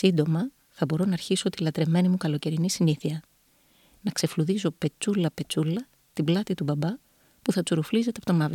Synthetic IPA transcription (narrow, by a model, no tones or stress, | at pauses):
sind̪o̞mɐ | θɐbo̞ɾo̞nɐːɾçiso̞t̪ilɐt̪ɾe̞me̞nimukɐlo̞ce̞ɾinisiniθiɐ | nɐkse̞fluðiso̞pe̞t͡sulɐpe̞t͡sulɐ | t̪iblɐt̪it̪ubɐbɐ | puθɐt͡suɾuflize̞t̪epo̞t̪omɐv